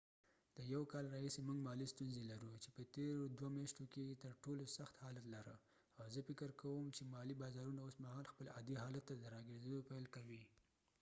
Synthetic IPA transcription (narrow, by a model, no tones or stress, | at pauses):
d̪̥əjawkɑlɾɑhisemuŋɡmɑlist̪unzelaɾut͡ʃepət̪eɾod̪wamjɑʃt̪oket̪əɾʈolosaxt̪hɑlat̪laɾə | awzəfɪkəɾkʰawəmt͡ʃemɑlibɑzɑɾunaosmahɑlxpəlɑd̪iɦɑlat̪ːad̪əɾɑɡeɾzed̪opajlkawi